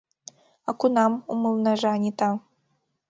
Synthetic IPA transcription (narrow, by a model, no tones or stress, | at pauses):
akunamumɨlˠnaʐaanʲit̪a